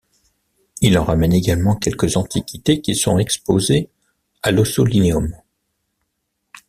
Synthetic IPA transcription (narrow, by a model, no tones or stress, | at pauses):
ilɑ̃ʁamɛneɡalmɑ̃kʲɛlkəzɑ̃t̪ʰikʲit̪ekʲisɔ̰̃ɛkspoze | alosolineɔm